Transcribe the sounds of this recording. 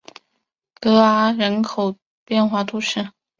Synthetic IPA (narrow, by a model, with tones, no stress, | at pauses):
kɤ˧˥a˧˥ɻə˧˥nkʰo˨˩ʊ | pjɛ˥˧nxwa˥˩t̪ʰu˥ʂɻ̩˥˩